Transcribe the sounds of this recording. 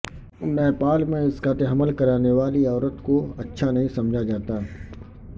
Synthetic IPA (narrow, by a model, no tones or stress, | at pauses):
nɛːpaːlmẽɪskat̪eɦɐməlkɐɾaːneʋaːliɔːɾət̪koɐtːʃʰanɐɦĩsɐmd͡ʒʱad͡ʒaːt̪a